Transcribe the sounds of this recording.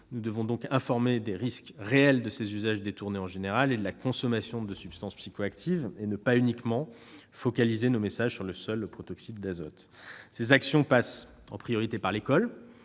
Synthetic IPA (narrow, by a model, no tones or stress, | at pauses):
nud̪əvɔ̃d̪ɔ̃kɛ̃fɔʁmed̪eʁiskʁeɛld̪əsezyzaʒd̪et̪uʁneɑ̃ʒeneʁaled̪əlakɔ̃sɔmasjɔ̃d̪əsypst̪ɑ̃spsikoakt̪ʰivenəpaynikmɑ̃ | fɔkalizenomesaʒsyʁləsœlpχɔt̪ɔksit̪̚d̪azɔ̰t̪sezaksjɔ̃pas | ɑ̰̃pχijɔʁit̪epaʁlekɔl